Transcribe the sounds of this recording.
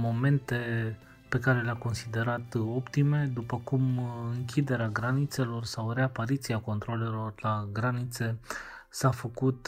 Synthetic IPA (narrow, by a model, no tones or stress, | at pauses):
mo̞me̞nt̪e̞ | pe̞kaɾe̞leako̞nsid̪e̞ɾat̪o̞pt̪ime̞d̪upəkumɨŋkʲʰid̪e̞ɾeaɡɾanit̪se̞lo̞rsawre̞apaɾit̪siako̞nt̪ɾole̞lo̞rlaɡɾanit̪se̞ | safəkut̪